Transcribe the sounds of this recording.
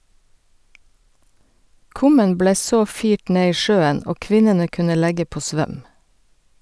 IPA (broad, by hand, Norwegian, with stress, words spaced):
ˈkʊmən ˈbleː ˈsoː ˈfiːʈ ˈneː ˈiː ˈʃøːən ˈoː ˈkʋɪnənə ˈkʉnə ˈlæɡə ˈpoː ˈsʋœm